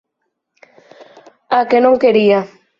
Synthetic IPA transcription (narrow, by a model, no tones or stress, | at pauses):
akenõŋkeɾia